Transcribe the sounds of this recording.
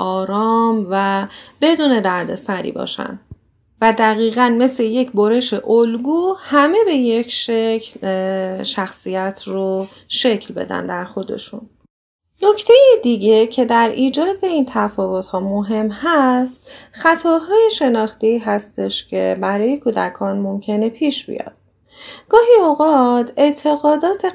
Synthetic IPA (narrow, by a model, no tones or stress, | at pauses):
ʔɒːɾɒːmvæb̥e̞d̪uːne̞d̪æɾd̪e̞̰sæɾḭbɒ̰ːʃæ̰nd̪ | væd̪æɣiːɣænme̞sleje̞cʰboɾe̞ʃe̞ʔolɡuːhæme̞be̞jecʰʃecʰlʃæxsijæt̪ʰro | ʃe̞cʰlbe̞̰d̪æ̰nd̪æɾxo̞d̪e̞̰ʃṵn | nocʰt̪ʰe̞jid̪iɟe̞cʰe̞d̪æɾiːd͡ʒɒːd̪e̞iːnt̪ʰæfɒːvot̪hɒːmoɦe̞mhæst̪xæt̪ʰɒːɦɒːjeʃe̞nɒːxt̪eiːɦæst̪e̞ʃcʰe̞̰bæɾɒːje̞kʰuːd̪æ̰kʰɒːnmomcʰe̞ne̞pʰiːʃb̥ḭjɒ̰d̪̥̚ | ɡ̥ɒːɦioɣɒːt̪ʰe̞ʔt̪ʰe̞ɣɒːd̪ɒːt̪ʰe